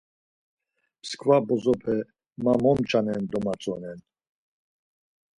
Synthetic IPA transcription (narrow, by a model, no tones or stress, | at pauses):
pʰskʰvabɔzɔpʰɛ | mamɔmt͡ʃʰʼanɛnd̪ɔmat͡sʼɔnɛn